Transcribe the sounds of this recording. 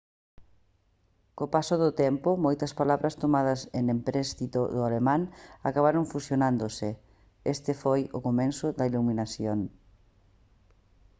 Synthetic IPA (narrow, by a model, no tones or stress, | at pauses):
kopasoðʊt̪ɛmpʊmojt̪ɐspalaβɾɐst̪omaðɐsenempɾɛst̪it̪oðʊalemãŋakaβaɾoŋfusjonãnd̪osɪ | est̪ɪfojʊkomẽnsʊðɐiluminasjoŋ